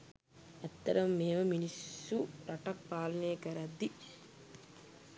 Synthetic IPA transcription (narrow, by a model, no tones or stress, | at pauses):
ɛt̪ːɐɾɐmːeːʋɐminisːuɾɐʈɐk̚paːlɐnejəkɐɾɐd̪ːi